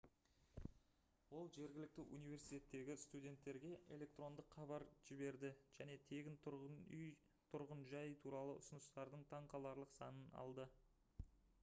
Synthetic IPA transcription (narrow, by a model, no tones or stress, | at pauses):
wo̞lˠʒe̞ɾɡʲɪlɪk̚t̪ɪʔunijvʲe̞ɾsijt̪ʲe̞t̪ːe̞ɡʲɪst̪ud̪ʲe̞nt̪ːe̞ɾɡʲe̞ʔe̞̰le̞k̚t̪ro̞nd̪əqχɑβɑɾʒɪbe̞ɾd̪ɪʒ̥æne̞t̪ʰe̞ɡʲɪn | t̪ʰʊɾʁənʒɑjt̪ʰuɾɑlˠəʔʊ̰sʊnəst̪ɑɾd̪əɴt̪ʰɑɴqɑlˠɑɾlˠəqsɑnənɑ̰lˠd̪ə